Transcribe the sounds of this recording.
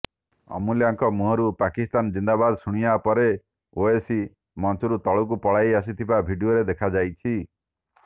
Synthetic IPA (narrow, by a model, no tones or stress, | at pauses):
ɔ̰muljaŋkɔmuɦɔɾupakist̪and͡ʒind̪abad̪suɽ̃ijapɔɾe | oesi | mɔnt͡ʃɔɾut̪ɔɭuk̬upɔɭajas̬it̪ʰibabʱiɖioɾed̪ekʰad͡ʒajt͡ʃʰi